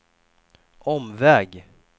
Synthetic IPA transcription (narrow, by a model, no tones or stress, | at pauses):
ʔɔmvɛːɡ